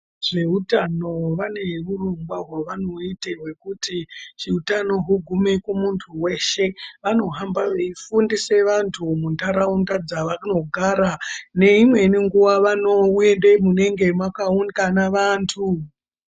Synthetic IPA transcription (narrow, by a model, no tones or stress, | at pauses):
ʐ̥e̞ɦutano̞ʋane̞ʋurumɡwaɦwaʋano̞iteɦwe̞kutit͡ʃiutano̞ɦuɡʱume̞kumuntʰuwe̞ʃe̞ʋano̞ɦambaʋeifundise̞ʋantʰumuntaɾaundad͡zaʋakuno̞ɡʱaɾane̞imwe̞niŋɡuwaʋano̞ende̞mune̞ŋɡe̞mwakaunikanaʋantʰu